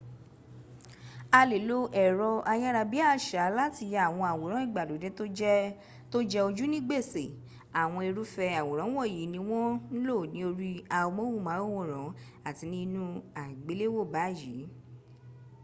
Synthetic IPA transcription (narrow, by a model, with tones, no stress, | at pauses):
a˧le˨lo˦ʔɛ˨ɾɔ˧a˧ja˦ɾa˧bi˦a˦˨ʃa˨˦la˦ti˧ja˦˨w̃ɔ̃˧a˨wo˨ɾ̃ɔ̃˨˦i˦˨ɡ͡ba˨do˨˦de˦to˦d͡ʒɛ˦ | to˦d͡ʒɛ˦o˧d͡ʒu˦nĩ˦ɡ͡be˦˨se˨ | a˨w̃ɔ̃˧e˧ɾu˦fɛ˧a˨wo˨ɾ̃ã˨˦wɔ˦˨ji˨˦nĩ˧˦w̃ɔ̃˦n̩˦lo˦˨nĩ˨˦o˧ɾi˦a˧o˧mõ˦wu˦˨mã˨˦o˦˨wo˦˨ɾɔ̃˨˦ | a˦˨ti˧nĩ˦nũ˦a˨ɡ͡be˨˦le˦wo˦˨ba˨˦˨ji˨˦